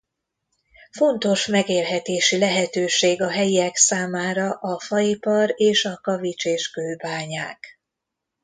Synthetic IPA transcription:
fo̞nt̪o̞ʃmɛɡeːlɦɛt̪eːʃilɛɦɛt̪øːʃeːɡɒɦɛjiɛksaːmaːɾɒʔɒfɒipɒɾeːʃɒkɒvit͡ʃeːʃkøːlbaːɲaːk

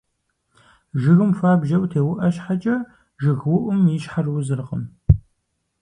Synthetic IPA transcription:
ʒɪɣɨmfaːbʒɐwtʰeːwʊʔɐɕħat͡ʃʼɐ | ʒɨɣwʊʔʷʊmiʃħarwʊzɨrqəm

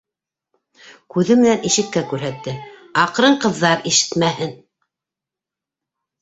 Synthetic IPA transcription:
kʉðɘmɘ̆næniʃɘ̆k̚kːækʉɾɦæt̪ːɘɑqɾɤɴqɤ̆ðːɑɾiʃɘ̥t̪mæhɘn

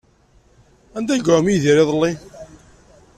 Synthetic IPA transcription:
ænd̪æɡamiðiɾiðˤlːi

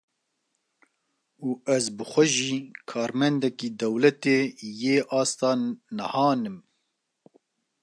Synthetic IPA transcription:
uːʔɛzbɨxʷɛʒiːkʰɑːɾmɛnd̪ɛkiːd̪ɛwlɛt̪eːjeːʔɑːst̪ɑːnɛhɑːnɨm

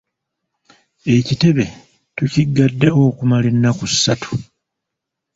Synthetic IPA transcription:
e̞cite̞βe̞ | tuciɡːadːe̞o̞ːkumalenːakusːatu̥

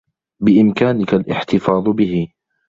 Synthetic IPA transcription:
bɪʔɪmkaːnɪkalʔɪ̰ħt̪ɪfɑːd̪ˤbɪɦɪ

